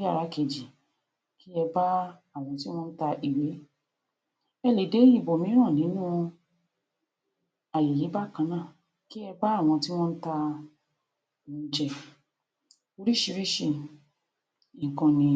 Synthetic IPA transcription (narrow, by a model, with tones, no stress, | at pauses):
ja˦˨ɾa˨˦ke˧˨d͡ʒi˨ | ki˦ɛ˧ba˦a˦˨w̃ɔ̃˧ti˦w̃ɔ̃˦n̩˦ta˧ʔi˨we˨˦ | ɛ˧le˨de˨˦i˦˨bo˨mĩ˨˦ɾ̃ã˦˨nĩ˨˦nũ˦ | a˨je˨ji˨˦ba˦˨kã˧˦nã˦˨ | ki˦ɛ˧ba˦a˦˨w̃ɔ̃˧ti˦w̃ɔ̃˦n̩˦ta˧˨ | ũ˧˦˧d͡ʒɛ˧˨ | o˧ɾi˦ʃi˧ɾi˦ʃi˧˨ | kɔ̃˨˧nĩ˧